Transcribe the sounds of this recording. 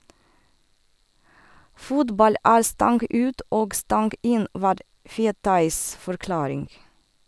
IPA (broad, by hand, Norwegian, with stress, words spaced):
ˈfʊtbɑl ˈæːɾ ˈstɑŋɡ ˈʉːt ˈoːɡ ˈstɑŋɡ ˈɪn ˈʋɑːɾ ˈfeːtɑɪs fɔɾˈklɑːɾɪŋ